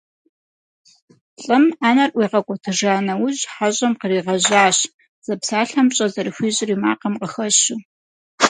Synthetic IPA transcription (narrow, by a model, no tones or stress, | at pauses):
ɬʼɨmaːnɐrʔʷiːʁɐkʷʼɔtʰɨʐaːnɐwʊʑħaʑʼɐmqəriːʁɐʑaːɕ | z̥ɐpsaːɬɐmɕʼɐzɐɾɨxʷiːʑɪriːma̰ːqɐmqəxɐɕu